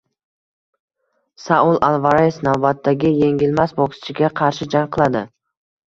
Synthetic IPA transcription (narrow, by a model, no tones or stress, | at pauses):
saʊlˠʔalˠvaɾajefnawbat̪ʰːaɡʲɪje̞ŋʲɪlmasbɒksɪ̥t͡ʃʰɪɡʲaqʰɑɾʃɪd͡ʒaŋqʰɨlˠad̪ɪ